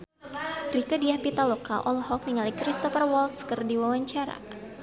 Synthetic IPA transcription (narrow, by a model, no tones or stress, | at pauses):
rikadiapit̪aloka̰ʔɔlhɔk̚niŋalikɾist̪ɔfərwɔlt̪skərdiwawaɲt͡ʃaɾa̰